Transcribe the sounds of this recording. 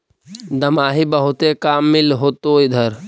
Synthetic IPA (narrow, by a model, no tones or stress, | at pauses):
d̪ɐmaːɦibɐɦʊt̪ekaːmːɪlɦoːt̪oːid̪ʱəɾ